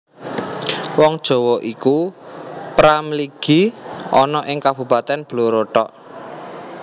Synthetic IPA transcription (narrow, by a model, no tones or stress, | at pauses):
wɔŋd̥ʒ̥ɔ̤wɔʔiku | pɾamliɡ̥i̤ʔɔnɔʔɪŋkab̥ṳpat̪ɛnb̥loɾoʈɔʔ